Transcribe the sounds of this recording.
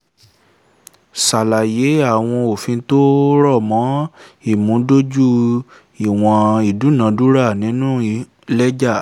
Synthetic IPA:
sa˨la˨je˨˦a˦˨w̃ɔ̃˧o˨fĩ˧˦to˦ɾɔ˦˨mɔ̃˨˦i˦˨mũ˨˦do˦d͡ʒu˦ | i˨w̃ɔ̃˧i˨du˨˦nã˨˦du˦ɾa˦˨nĩ˨˦nũ˦i˧ | lɛ˦d͡ʒa˦˨

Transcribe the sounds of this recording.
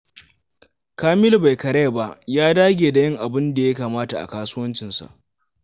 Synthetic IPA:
kaː˦mɪ˦lba˨jkɐ˨ɽe˦˨ba˦ʔjaː˦daː˦ɡʲeː˨da˨jɪ˦ŋʔa˨bɪ˦nda˨ja˦kaː˨maː˦ta˨ʔa̰˨kaː˦su˦wɐ˦nt͡ʃɪ˨nsa̰˨ʔ

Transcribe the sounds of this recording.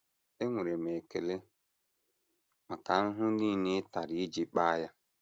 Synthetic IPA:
e˦ŋʷe˨ɾe˨me˨ke˨le˦ | ma˨ka˨n̩˦ɦʊ˦niː˦ne˦ta˨ɾi˦i˦d͡ʒi˦k͡pa˦ja˦

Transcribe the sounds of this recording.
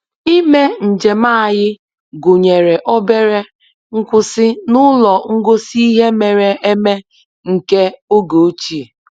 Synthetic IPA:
i˦me˦n̩˨d͡ʒe˨ma˦a˦˨jɪ˦ | ɡʊ˨ɲe˨ɾe˨ʔɔ˦be˦ɾe˦ | ŋ̩˦kʷʊ˦sɪ˦nʊ˦lɔ˨ŋ̩˦ɡo˦si˦i˦ɦe˦me˨ɾe˨e˦me˦ | ŋ̩˨ke˦o˦ɡo˨˦t͡ʃi˦e˨

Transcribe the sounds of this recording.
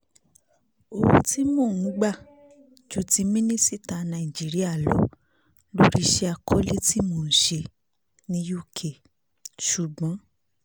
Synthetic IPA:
o˧wo˧ti˦mõː˦˨ñ̩˨˦ɡ͡ba˦˨ | d͡ʒo˦ti˧˦mĩ˦nĩ˦si˦˨ta˨˧nã˧˨ĩ˨d͡ʒi˨˦ɾi˦a˦˨lɔ˨˦ | lo˦ɾi˦˧ʃe˧a˧kʰɔ˦le˦ti˦moː˨n̩˨ʃe˧ | nĩ˧˦ju˦˨kʰe˨ | ʃu˨ɡ͡bɔ̃˨˦

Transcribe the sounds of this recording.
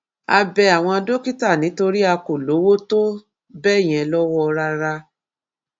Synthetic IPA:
a˧bɛ˧a˨w̃ɔ̃˧a˧do˦ki˦ta˦˨nĩ˨˦to˧ɾi˦a˧ko˨lo˨˦wo˦to˦ | bɛ˦˨j̃ɛ̃˧lɔ˦wɔ˦˧ɾa˧ɾa˧

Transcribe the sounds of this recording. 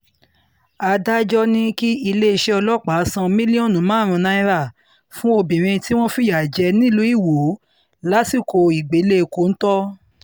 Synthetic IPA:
a˧da˦d͡ʒɔ˦nĩ˦ki˦i˧le˦˧ʃe˦ɔ˧lɔ˦˨k͡pa˨˦sã˧mĩ˦li˦ɔ̃˦˨nũ˨˦mãː˨˦˨ɾ̃ũ˧nã˧˦ĩ˦ɾa˦˨ | fũ˦o˧bĩ˨ɾ̃ĩ˧ti˦w̃ɔ̃˦fi˦ja˨d͡ʒɛ˧nĩ˦lu˨˦i˦˨wo˨˦ | la˦si˦˨ko˧i˨ɡ͡be˨˦le˦˧˨ko˨˦n̩˦tɔ˦

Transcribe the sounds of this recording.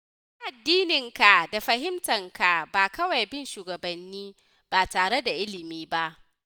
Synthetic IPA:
a˦ʔa˨dːiː˦nɪ˨ŋka˨da˨ɸɐ˨hɪ˦mtɐ˨ŋka˨baː˨kɐ˦wa˨jbɪ˦nʃuː˨ɡɐ˨bɐ˨nːiː˦ | b̥aː˨taː˨ɽe˦da˨ʔɪ˦lɪ˨miː˦ba˦ʔ

